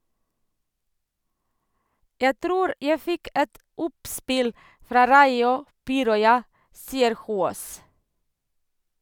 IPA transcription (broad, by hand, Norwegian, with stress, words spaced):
ˈjæ ˈtɾuːɾ ˈjæɪ ˈfɪk ˈɛt ˈʊpˌspɪl ˈfɾɑː ˈɾɑɪʊ ˈpiːɾɔʏɑ ˈsiːəɾ ˈhuːoːs